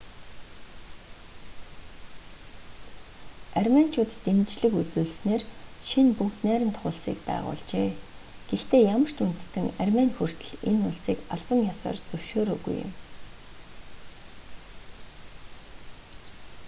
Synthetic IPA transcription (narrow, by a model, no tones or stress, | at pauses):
armæn̥t͡ɕʰʊːt̪ːemt͡ɕɮɘ̆kut͡suːɮsneːrʃinpukt̪næːɾʲɪ̆nt̪χʊːɮsḭːk̚pæ̰ːʁʊ̰ːɮt͡ɕeː | ɡ̥ext̪eːjamə̆r̥t͡ɕunt̪ɘ̥̆st̪ɘ̆ŋærmænxur̥t̪ɘ̆ɮenʊɮsiːkaɮpə̆ŋjasɔ̰ːrt͡sɵw̥ʃoːɾoːɣṵjɪ̰m